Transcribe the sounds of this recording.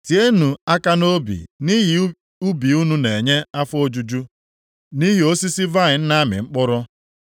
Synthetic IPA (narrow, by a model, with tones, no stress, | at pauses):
ti˨e˦nu˨a˦ka˦no˦bḭ˨ni˦ɦ | u˦bi˨u˦nu˦ne˨ɲe˦a˦fo˦d͡ʒu˦d͡ʒu˦ | ni˦ɦi˨o˦si˦si˦va˦˨ɪ˨n̩˦na˦mɪ̰˨ŋ͡m̩˦k͡pʊ˦ɾʊ˦